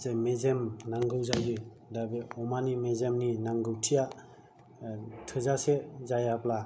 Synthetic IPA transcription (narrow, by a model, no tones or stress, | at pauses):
zemezemnaŋɡɯwzajɡɯ | dabeɔmanimezemninaŋɡɯwtʰija | tʰɯzasezajapla